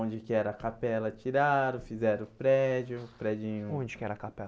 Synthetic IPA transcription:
õd͡ʒɪkɪɛɾɐkapɛlɐt͡ʃiɾaɾʊfizɛɾʊpɾɛd͡ʒʊpɾɛd͡ʒĩɲʊõd͡ʒɪkɪɛɾɐkapɛ

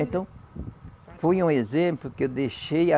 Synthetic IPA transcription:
t̪ɐ̃ | fojũezẽmplʊkewd̪eʃeja

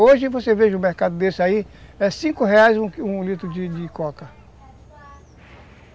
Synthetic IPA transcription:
oʒɪvoseveʒɐʊmeɾkad̪ʊd̪esɪaiɛsĩkʊɦeajzũũlit̪ɾʊd͡ʒɪd͡ʒɪkɔkɐ

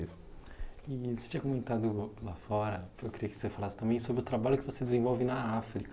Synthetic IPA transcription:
ɪsɪ̥t͡ʃĩɲɐkomẽnt̪ad̪ʊlafɔɾɐewkɪɾiɐkɪ̥osefalasɪ̥t̪ɐ̃mbẽj̃sobɾɪʊt̪ɾabaʎʊkɪvosed̪ezẽvɔwvɪnɐafɾikɐ

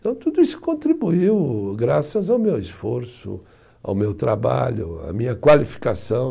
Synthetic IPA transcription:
t̪ɐ̃w̃t̪ud̪ʊisʊ̥kõnt̪ɾibuiwɡɾasɐzawmewisfoɾsʊ̰ | a̰wmewt̪ɾaba̰ʎʊ̰a̰mĩɲɐkwalifi̥kasɐ̃w̃

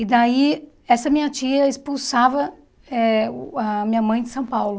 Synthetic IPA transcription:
ɪd̪ai | ɛsɐmĩɲɐt͡ʃiɐɪspulsavɐ | ɛɐmĩɲɐmɐ̃j̃d͡ʒɪsɐ̃w̃pawlʊ

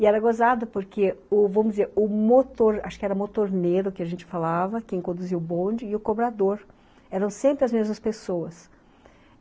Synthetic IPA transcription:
ɪɛɾɐɡozad̪ɐpoɾkʰeʊvɐ̃mʊd͡ʒɪzeɾʊmot̪oɾa̰ʃʊ̥kɪɛɾɐmot̪oɾneɾʊkɪɐʒẽnt͡ʃɪ̥falavɐkẽj̃kõd̪uziwʊbõd͡ʒɪːʊkobɾad̪oɾ | ɛɾɐ̃w̃sẽmpɾɪɐzmezmɐspesoɐs

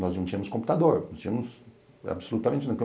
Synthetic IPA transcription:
nɔznɐ̃w̃t͡ʃĩɐmʊskõmput̪ad̪oɾnɔ̃st͡ʃĩɲɐmʊs | a̰bsolut̪ɐmẽt͡ʃɪnɐ̃w̃kẽ

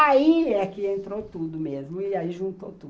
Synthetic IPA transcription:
aiɛkɪẽnt̪ɾot̪ud̪ʊmezmʊɪaiʒũnt̪ot̪u

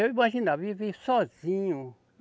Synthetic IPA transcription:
ewimaʒĩnavivesɔzĩɲʊ

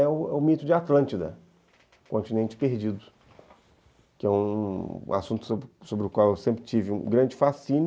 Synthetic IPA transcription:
ɛʊɛʊmit̪ʊd͡ʒɪat̪lɐ̃nt͡ʃid̪ɐ̰ | kõnt͡ʃinẽnt͡ʃɪ̥peɾd͡ʒid̪ʊ | kɪɛũa̰sũt̪ʊ̥sobɾsobɾɪʊkwawewsẽmpɾɪt͡ʃivɪṵ̃ɡɾɐ̃nd͡ʒɪfasĩn

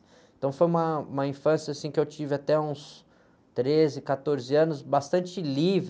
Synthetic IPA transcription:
ẽt̪ɐ̃w̃fojũmɐũmɐĩfɐ̃sjɐasĩkɪewt͡ʃivɪat̪ɛũs | t̪ɾezɪkat̪oɾzɪɐ̃nʊsbast̪ɐ̃nt͡ʃɪliv

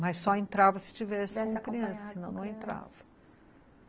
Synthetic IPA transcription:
mɐjssɔẽnt̪ɾavɐsɪ̥t͡ʃivɛsɪkõmɐkɾiɐ̃sɐsinɐ̃w̃nɐ̃w̃ẽnt̪ɾa̰vɐ

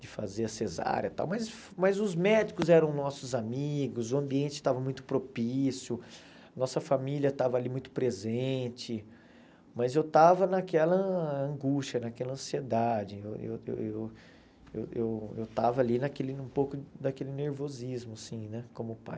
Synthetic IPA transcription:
d͡ʒɪfa̰zeɾɐseza̰ɾjɐt̪a̰wmɐjs | mɐjzʊzmɛd͡ʒɪkʊzɛɾɐ̃w̃nɔsʊzamiɡʊzʊɐ̃mbiẽnt͡ʃɪ̥t̪avɐmũj̃t̪ʊ̥pɾopisjʊ | ɐnɔsɐfamiliɐt̪avɐalimũj̃t̪ʊ̥pɾezẽt͡ʃɪ | mɐzewt̪avɐnɐkɛlɐɐ̃ɡuʃt͡ʃɐnɐkɛlɐ̃sied̪ad͡ʒɪewḛwḛwew | ḛwewewt̪avɐalinɐkelɪũpowkʊd̪akelɪneɾvozizmʊasĩnɛkõmʊpa̰j

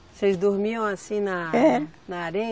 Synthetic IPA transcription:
sezd̪oɾmiɐ̃w̃asĩnɐɛɾnɐaɾẽ

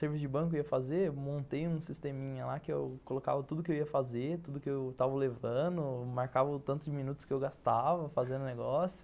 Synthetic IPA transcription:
seɾvisʊd͡ʒɪbɐ̃kʊiɐfazeemõnt̪ejũsist̪ẽmĩɲɐlakɪḛwkoloka̰vɐt̪ud̪ʊkɪewiɐfazet̪ud̪ʊkɪewt̪avɐlevɐ̃nd̪ʊmaɾkavɐt̪ɐ̃nt̪ʊzd͡ʒminut̪ʊskɪewɡast̪avɐfazẽnd̪ʊneɡɔsjʊ̥

